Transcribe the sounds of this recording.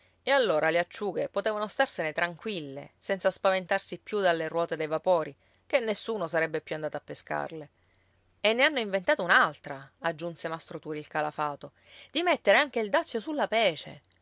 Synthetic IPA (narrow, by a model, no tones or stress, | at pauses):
ealːoːɾʔaleat͡ʃːuːɡepot̪eːvanost̪arsenet̪ɾaŋkwilːḛsɛnt̪saspavent̪arsipːjud̪alːerwɔːt̪ed̪ejvapoːɾi | kenːesːuːnosaɾɛbːepːjuand̪at̪apːeska̰rle | enːeanːoiɱvent̪aːt̪ounalt̪ɾaad͡ʒːunsemast̪ɾot̪uːɾilkalafaːt̪o | d̪imet̪ːeɾeaŋk̟eild̪at̪sːjosulːapɛːt͡ʃḛ